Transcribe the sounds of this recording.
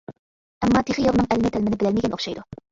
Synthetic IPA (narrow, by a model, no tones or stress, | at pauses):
æmːɑːt̪ʰeχjolˠnɨŋælmɪt̪ʰælmɪnɪbɪlælmɪɡʲænoχʃɑjd̪ʊ